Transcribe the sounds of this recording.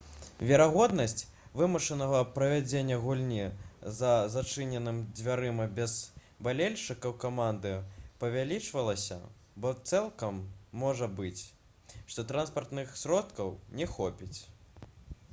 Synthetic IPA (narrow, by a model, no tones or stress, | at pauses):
vʲɛɾaɣɔd̪nɐsʲt͡sʲ | vɨmɐʂɐnɐɣɐpɾɐvʲad͡zʲenʲːɐɣulʲnʲizɐzat͡ʂɨnʲɛnɨmd͡zʲvʲaɾɨmɐbʲɛz̥ | balʲelʲʂɨkɐwkamand̪ɨpɐvʲalʲit͡ʂvɐlˠɐsʲɐ̰ | bɔt̪sɛlˠkɐmːɔʐɐbɨt͡sʲ | ʂt̪ɔt̪ɾanspɐrt̪nɨxsʲɾɔt̪kɐwnʲɛxɔpʲit͡sʲ